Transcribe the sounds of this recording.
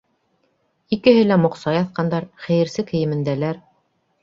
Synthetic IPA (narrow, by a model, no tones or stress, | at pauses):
ikɘ̆ɦɘlæmŏqsɑjɑθqɑnd̪ɑɾχæjɘ̆ɾsɘkɘ̆jɘ̆mɘ̆nd̪ælæɾ